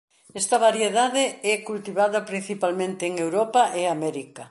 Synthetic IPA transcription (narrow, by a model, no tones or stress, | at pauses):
ɛst̪ɐβaɾjeðaðɪɛkult̪iβaðɐpɾin̟θipalmẽnt̪ɪːŋewɾɔpaʔeamɛɾikɐ